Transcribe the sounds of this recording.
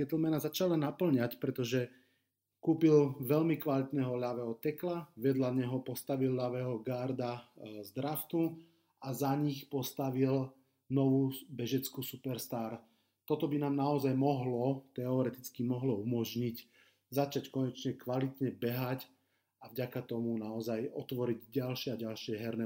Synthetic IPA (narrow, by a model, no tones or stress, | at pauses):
ɛt̪l̩mɛnazat͡ʃalanapl̩ɲacpɾɛt̪ɔʒɛ | kuːpilʋɛʎmikʋalit̪nɛɦɔʎaʋɛːɦɔt̪ɛklaʋɪɛd̪laɲɛɦɔpɔst̪aʋilʎaʋɛːɦɔɡaɾd̪azd̪ɾaft̪u | azaɲixpɔst̪aʋil | nɔʋuːbɛʒɛt͡skusupɛɾst̪aːɾ | t̪ɔt̪ɔbinaːmnaɔzajmɔɦlɔt̪ɛɔɾɛt̪it͡skimɔɦlɔumɔʒɲic | zat͡ʃackɔɲɛt͡ʃɲɛkʋalit̪ɲɛbɛɦac | avɟakat̪ɔmunaɔzajɔt̪ʋɔɾiɟɟalʃɪɛaɟalʃɪɛɦɛɾnɛ